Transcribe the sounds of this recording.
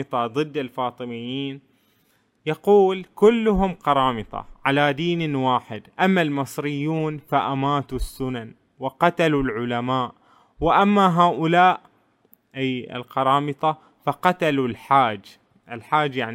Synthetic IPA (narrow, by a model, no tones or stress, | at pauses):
ɨt̪ˤɑðˤɨd̪ːɪlfɑːt̪ˤɨmɪjːiːn | jɑquːlkʊlːʊɦʊmqɑɾˤɑːmɨt̪ˤɑ̰ʕalad̪iːnwaːħɪd̪ʔamːalmɨsˤɾɪjːuːnfaʔamaːt̪usːʊnan | wɪqat̪alulʕʊlamaːʔ | wɪʔamːaɦaːʔʊlaːʔ | ʔajɪ̰lqɑɾˤɑːmɨt̪ˤɑ | fɑqat̪alulħaːd͡ʒ | ʔɪlħaːd͡ʒjaʕn